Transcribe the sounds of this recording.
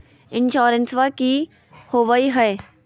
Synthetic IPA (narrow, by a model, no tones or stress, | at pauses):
ɪnʃoːɾənsʋaki | hoːʋaiɦɐe